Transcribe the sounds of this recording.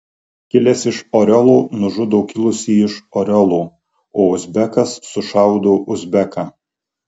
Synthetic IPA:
kʲɪlʲɛsɪʃoːɾʲɔlˠuːnʊʒʊd̪oːkʲɪlˠʊsʲiːɪʃoːɾʲɔlˠuː | oːʊzʲbʲɛkɐsːʊʃɑˑʊd̪oːʔʊzʲbʲɛkɑ

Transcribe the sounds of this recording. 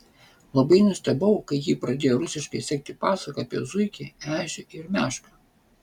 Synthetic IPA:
lˠɐbɐɪnʊsʲt̪ʲɛbɐʊkɐɪjiːpɾɐd̪ʲeːjoɾʊsʲɪʃkɐɪsʲɛːk̚t̪ʲɪpɑːsɐkɐɐpʲḭɛzʊɪkʲiæːʒʲɛʔɪɾmʲæːʃkɐ

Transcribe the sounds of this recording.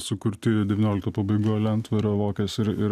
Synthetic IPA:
sʊkʊɾʲt̪ʲiːɾʲɛdʲɛʋʲiːnʲoːlʲɪkt̪ɐpɐbɐɪɡuːlʲɛnt̪ʋɐɾʲolˠoːkʲɛːsɪɾɪɾ

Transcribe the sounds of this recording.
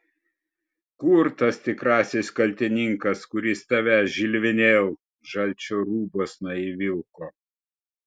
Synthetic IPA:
kuɾt̪ɐst̪ʲɪkɾɑːsʲɪskɐlʲt̪ʲɪnʲɪŋkɐskʊɾʲɪst̪ɐʋʲæʒʲɪlʲʋʲɪnʲeːlˠ | ʒɐlʲˑt͡ʃʲoːɾuːboːsnɔiʋʲɪlˠkoː

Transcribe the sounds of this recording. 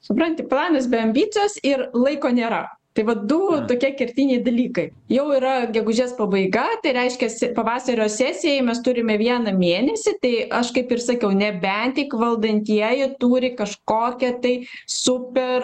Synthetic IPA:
sʊpɾɐnʲt̪ʲɪplˠɑːnɐsbʲɛɐmʲbʲiːt͡s̪ʲoːsɪrlˠɐɪkoːnʲeːɾɐt̪ɐɪʋɐtd̪ʊt̪oːkʲiɛkʲɛrʲt̪ʲiːnʲɛɪd̪ɐlʲiːkɐɪ | jɛʊiːɾɐɡʲɛɡʊʒʲeːspɐbɐɪɡɐt̪ɐɪɾʲɛɪʃʲkʲɛsʲpɐʋɑːsɐɾʲoːsʲæːsʲɪjɛɪmʲɛst̪ʊɾʲɪmʲɛʋʲiɛnɐmʲeːnʲɛsʲɪt̪ɐɪɐʃkɐɪpɪrsɐkʲɛʊnʲɛbʲɛnʲt̪ʲɪkʋɐlˠd̪ɐnʲt̪ʲiɛjɪt̪uːɾʲɪkɐʃkoːkʲɛt̪ɐɪsʊpʲɛr

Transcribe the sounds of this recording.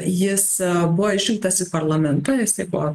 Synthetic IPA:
jɪsbʊʋɔɪʒʲʋʲɪlʲˠk̚t̪ɐsɪpɐɾlˠɐmʲɛnt̪ɐjɪst̪ɐɪbʊʋɔ

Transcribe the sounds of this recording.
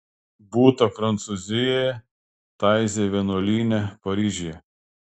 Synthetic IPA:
buːt̪ɐfɾɐnt̪suzʲɪjɛjɛ | t̪ɑˑɪzʲeʋʲiɛnoːlʲiːnʲɛpɐɾʲiːʒʲɪjɛ

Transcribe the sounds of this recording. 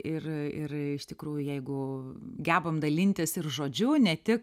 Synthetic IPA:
ɪrɪ̰rɪʃt̪ʲɪkɾuːjʊjɛɪɡʊɡʲæːbɐmd̪ɐlʲɪnʲt̪ʲɪsɪrʒoːd͡ʒʲʊnʲɛt̪ʲɪk

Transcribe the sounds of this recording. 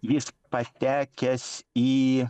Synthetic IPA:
jispɐt̪ʲæːkʲɛsʲi

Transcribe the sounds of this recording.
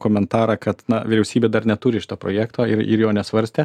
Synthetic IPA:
koːmʲɛnt̪ɑːɾɐkɐt̪nɐʋʲɪɾʲɛʊsʲiːbʲeːd̪ɐrnʲɛt̪uːɾʲɪʃʲɪ̥t̪oːpɾo̰ːjæːkt̪oːɪ̰ɾɪ̰ɾjoːnʲɛsʋɐɾʲsʲt̪ʲeː

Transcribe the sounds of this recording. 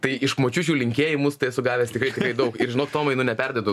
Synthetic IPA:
t̪ɐɪɪʃkmoːt͡ʃʲuːt͡ʃʲuːlʲɪŋʲkʲeːjɪmʊst̪ɐɪɐsʊɡɑːʋʲeːst̪ʲɪkɾɐɪt̪ʲɪkɾɐɪd̪ɐʊkɪɾʒʲɪnoːkt̪oːmɐɪnʊnʲɛpʲɛrʲd̪ʲoːd̪ʊ

